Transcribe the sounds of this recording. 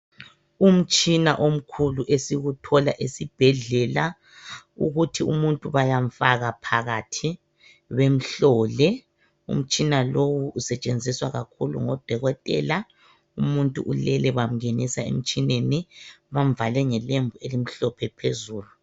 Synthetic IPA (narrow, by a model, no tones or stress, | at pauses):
um̩t͡ʃʼina̰ʔom̩kʰuluʔesiɣutʰɔlaʔesib̥ʱɛɮɛla | ṵɣutʰiumuntʼuβajaɱfaɣapʰaɣatʰi | wem̩ɬɔːlɛ | ṵm̩t͡ʃʼinalowuːsɛt͡ʃʼend͡zʱiswaɣakʰulṵŋɔd̥ʱɔɣɔtʼɛ̰la | umuntʼṵʔulɛlɛβam̩enisaḛm̩t͡ʃʼineniβam̩valɛŋɛlembʱuelim̩ɬɔpʰɛpʰezuːlu